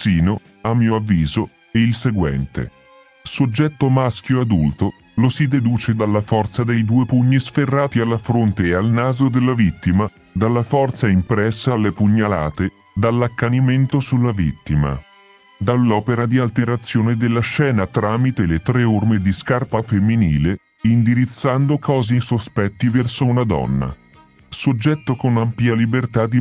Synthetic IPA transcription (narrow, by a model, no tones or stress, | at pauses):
siːno | amːiːoavːiːzo | eilseɡwɛ̰nt̪ḛ | sod͡ʒːɛt̪ːomask̟joad̪ult̪o | losid̪ed̪uːt͡ʃed̪alːafɔrt̪sad̪ejd̪uːepuɲːisferːaːt̪ialːafɾont̪ealnaːzod̪elːavit̪ːima | d̪alːafɔrt̪saimpɾɛsːalːepuɲːalaːt̪e | d̪alːakːaniment̪osulːavḭt̪ːima̰ | d̪alːɔːpeɾad̪ialt̪eɾat̪sːjoːned̪elːaʃɛːnat̪ɾaːmit̪elet̪ɾeormed̪iskarpafemːiniːle | ind̪iɾit̪sːand̪okɔːzisospɛt̪ːivɛrsounad̪ɔ̰nːa̰ | sod͡ʒːɛt̪ːokonampljalibert̪ad̪i